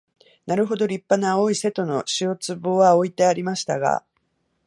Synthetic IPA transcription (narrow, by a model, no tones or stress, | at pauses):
naɾɯ̟ɦo̞d̪o̞ɾʲipːanaoːise̞t̪o̞no̞ɕio̞t͡sɨbo̞ːβao̞it̪e̞aɾʲimaɕi̥t̪aɡa̰